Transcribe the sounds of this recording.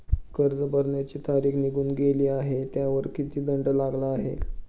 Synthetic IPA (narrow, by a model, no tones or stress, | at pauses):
kəɾd͡zəbəɾɳjat͡ɕiːt̪aɾiːkniɡuːnɡeliːaɦet̪jaʋəɾkit̪iːd̪əɳɖəlaɡlaːɦḛ